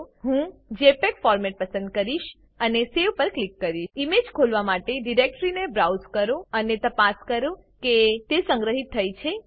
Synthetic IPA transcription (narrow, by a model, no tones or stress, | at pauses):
ɦũd͡ʒepekfɔɾmɛʈ̚pəsə̃nd̪̚kəɾiʃ | əneseʋpəɾklikːəɾiimed͡ʒkʰolʋamaʈeɖiɾek̚ʈɾinebɾawzkəɾũənet̪əpaskəɾũ | ket̪esə̃ŋɡɾəɦit̪ʰːəjt͡ʃʰe